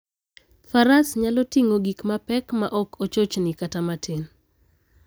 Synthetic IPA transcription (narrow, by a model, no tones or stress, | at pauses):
faɾasɲalɔtiŋoɡikmapɛkmaʔɔkʰot͡ʃot͡ʃnɪkatamatʰen